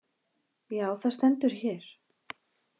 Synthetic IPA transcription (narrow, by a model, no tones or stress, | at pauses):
jaːwθast̪ɛnt̪ʏɾ̥çɛːɾ̥